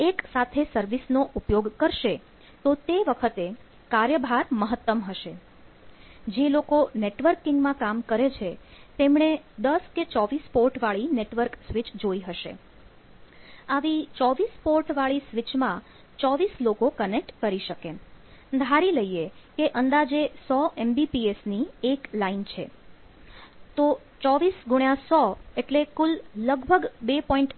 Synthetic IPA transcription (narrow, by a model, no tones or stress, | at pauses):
eksat̪ʰesəɾʋisnoʔupjoɡkəɾʃe | t̪ot̪eʋəkʰət̪e | kaɾjəbʱaɾməɦət̪ːəmɦəʃe | d͡ʒelokoneʈʋəɾkːɪ̃ŋɡmãkamkəɾet͡ʃʰet̪emɳed̪əsket͡ʃɔʋispoɾʈʋaɭineʈʋəɾksʋit͡ʃd͡ʒoiɦəʃḛ | aʋit͡ʃɔʋispoɾʈʋaɭisʋit͡ʃmã | t͡ʃɔʋislokokənek̚ʈkəɾiʃəked̪ʱaɾiləjekeʔənd̪ad͡ʒesɔɛmbipiesnieklaint͡ʃʰḛ | t̪o | t͡ʃɔʋisɡuɳjãsɔeʈlekulːəɡbʱəɡbepɔiɳʈ